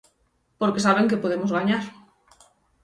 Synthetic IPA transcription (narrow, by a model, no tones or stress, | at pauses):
poɾkesaβeŋkepoð̞emozɣaɲaɾ